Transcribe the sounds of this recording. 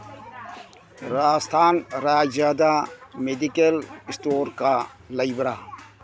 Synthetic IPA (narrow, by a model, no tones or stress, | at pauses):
ɾaːst̪ʰaːnɾaːd͡ʒzaːd̪amed̪ikelɪsʈoːɾka | lɐibɾa